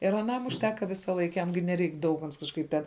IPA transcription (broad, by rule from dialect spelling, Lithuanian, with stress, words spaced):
ɪr ɐˈnɐm ʊʃʲˈtʲæːkɐ ˈʋʲɪsɐˌlˠɐɪk ˈjɛm ɡʲɪ nʲɛˈrʲɛɪk dɐʊk ɐns kɐʃˈkɐɪp tʲɛn